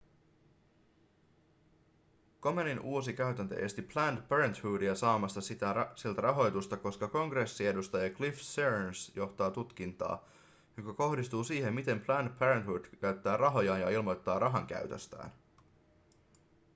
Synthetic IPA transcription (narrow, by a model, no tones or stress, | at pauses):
ko̞meninʔuːosik̟æɥt̪ænt̪ø̞̰ʔe̞st̪iplænt̪peɾent̪huːdiæsɑːmɑst̪ɑsit̪æsielt̪æɾʔɑɦo̞jt̪ust̪ɑko̞skɑko̞ŋɡre̞sːie̞dust̪ɑjɑklifseɹnsjo̞ht̪ɑːt̪ut̪k̟int̪ɑ̰ː | jo̞kɑko̞hdist̪uːsiːhe̞mːit̪e̞mplænpʰæɾent̪huːd̥kæɥt̪ːæːrɑɦo̞jɑːnjɑilmo̞jt̪ːɑːrʔɑɦɑŋk̟æ̰ɥt̪ø̰st̪æ̰ːn